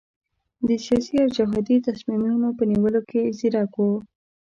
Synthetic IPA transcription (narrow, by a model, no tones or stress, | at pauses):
d̪əsijɑsiawd͡ʒʊɦɑd̪it̪asmimunopəniwəlokʰeziɾɑko